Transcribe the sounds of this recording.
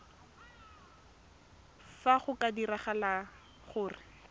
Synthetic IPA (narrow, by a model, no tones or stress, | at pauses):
faχʊkadiraχala | χʊːrɪ